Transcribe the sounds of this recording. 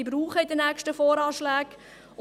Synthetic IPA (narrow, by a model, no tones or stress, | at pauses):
ibɾuːχəɪdənækʃtəfɔːɾɑːʃlæːk